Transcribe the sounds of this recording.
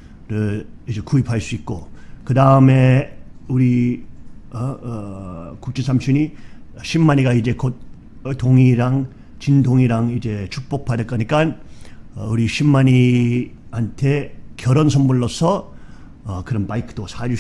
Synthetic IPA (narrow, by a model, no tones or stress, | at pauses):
ɾɯɭid͡ʑe̞kuipʰaɭs͈uik̚k͈okɯdaɯme̞uɾi | ʌ | kuk̚t͡ɕ͈esʰamɕʰiɲiɕʰimːaɲiɡaid͡ʑe̞kot̚ | toŋiɾaŋ | t͡ɕindʱoŋiɾaŋid͡ʑe̞t͡ɕʰuk̚p͈ok̚pʰadek͈ʌɲik͈anʌ̰uɾiɕʰimːaɲi | hantʰe̞kjʌɾʌnsʰʌmbuɭːosʰʌ | ʌkɯɾʌnpaikʰɯ̥t͈osʰad͡ʑu